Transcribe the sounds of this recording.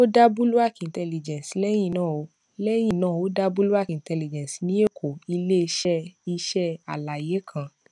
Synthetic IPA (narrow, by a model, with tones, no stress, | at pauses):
o˦da˦bu˦lu˦a˦˨kĩ˨n̩˨tɛ˧li˨d͡ʒɛ̃˨si˨lɛ˦j̃ĩ˦˨nãː˦˨o˨˦ | lɛ˦j̃ĩ˦˨nãː˦˨o˨˦da˦bu˦lu˦a˦˨kĩ˨n̩˨tɛ˧li˨d͡ʒɛ̃˨si˨nĩ˦e˦˨kʰo˨i˧le˦˧ʃɛ˦i˧ʃɛ˦a̰˨la˨je˨˦kʰã˧